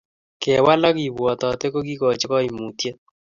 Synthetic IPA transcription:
kɛ˨wa˦la˦ki˨βwɔ˨tɔ˨te˦ko˦ki˦kɔ˨t͡ʃɪ˦kɔ˦i˨mu˨tje˦

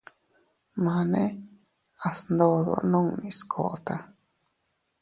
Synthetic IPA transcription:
mã˨nẽ˦ | a˨snd̪o˧ðo̰˨nõ˦˧ŋnĩ˨skʰo̰˨ʔt̪a˧

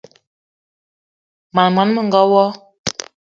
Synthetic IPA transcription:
ma˨nma˨n˦mə˦˨ŋ̩˨ɡɔ˦wɔ˦

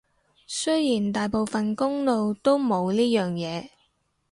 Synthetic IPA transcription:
sɵ˥jjiː˨˩nt̪aː˨jpo˨wfɐ˨nkʊ˥ŋlo˨˧wt̪o˥wmo˨˧wliː˥jœː˨ŋjɛː˨˧

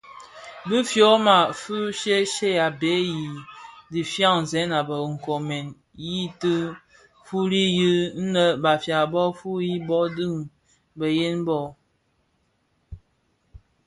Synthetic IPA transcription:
bɨ˦fjɔ˨˦ma˨fu˦ʃe˦ʃe˦ja˨be˨˦ji˨di˨fja˦ŋ̩˨zɛ˨˦na˨bə˨ŋ̩˨kɔ˨mɛ˨n | ji˦tɨ˦ | fu˦ɾi˦jɨ˦n̩˦nə˦ba˨fja˨bɔ˦fu˦ji˦bɔ˦dɨ˦˨ŋ | bə˨je˦nbɔ˦˨

